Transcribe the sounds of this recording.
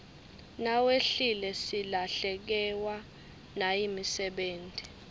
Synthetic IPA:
naweɬilɛsilaɬɛk̬ɛwa | najimisɛɓeːntʼi

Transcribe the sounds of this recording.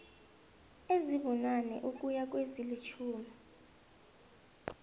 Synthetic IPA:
eziβɔnanɛ̰ʔuk̬ʼujak̬ʼwezilit͡ʃʰuːmi

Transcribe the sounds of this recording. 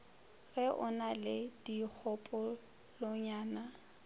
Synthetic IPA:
ɣɛʔʊ̰nalɪd̥ik͡xʰɔpʼɔ | lɔɲaːna

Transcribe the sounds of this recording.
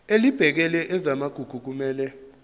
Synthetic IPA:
elib̥ʱɛk̬ɛlɛʔɛzamaɡ̥ʱuɡ̥ʱuk̬umɛːlɛ

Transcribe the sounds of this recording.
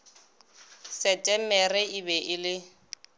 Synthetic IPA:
sɛtʼɛmɛrɛibɛʔɪlɪ

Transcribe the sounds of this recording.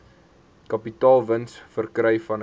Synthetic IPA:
kɐpitɑːlˠvənsfərkrəjfɐn

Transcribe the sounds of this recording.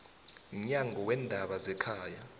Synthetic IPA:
m̩ɲaŋɡʱɔwɛndʱaɓazɛkʰaːja

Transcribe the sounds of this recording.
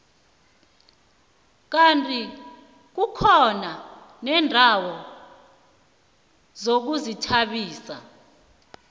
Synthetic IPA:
k̬antʼi | k̬ukʰɔnanɛːndʱawɔ | zok̬uzitʰaɓiːsa̰

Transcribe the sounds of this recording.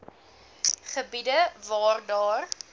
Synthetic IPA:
χəbidəvɑːrdɑːr

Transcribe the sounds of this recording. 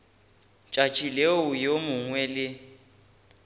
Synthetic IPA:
t͡ʃʼat͡ʃʼileʊjomʊŋwɛlɪ

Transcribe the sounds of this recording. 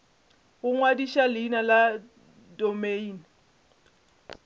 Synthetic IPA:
ɣʊŋwadiʃalɪːnala | dɔmeiːni

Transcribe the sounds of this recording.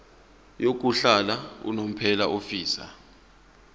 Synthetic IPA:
jok̬uɬalaṵnom̩pʰɛlaʔofiːsa̰

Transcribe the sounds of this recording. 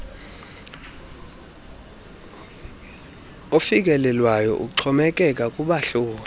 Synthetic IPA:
ofik̬ʼɛlɛlwajɔ̰ʔṵǀʰɔmɛk̬ʼɛkʼakʼuɓaɬoːli

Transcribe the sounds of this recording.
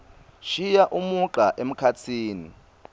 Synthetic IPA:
ʃijaʔumuǃaʔem̩kʰat͡sʰiːni

